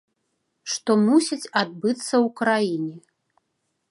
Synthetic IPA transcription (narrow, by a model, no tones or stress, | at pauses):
ʂt̪ɔmusʲit͡sʲad̪̚bɨt̪sːɐwkɾajinʲɛ